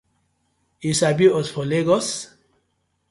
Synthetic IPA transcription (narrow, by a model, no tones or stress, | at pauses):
isabiosfoleɡɔs